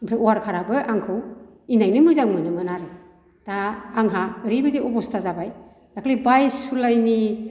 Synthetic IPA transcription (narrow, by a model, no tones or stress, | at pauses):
pʰɾeɔwaɾkʰaɾabɯʔaŋkʰɯwinajnɯmɯzaŋmɯnɯmɯnaɾɯ | taːŋɦaɾibɯdiɔbɔstazabaj | d̥akʰlibajsulajni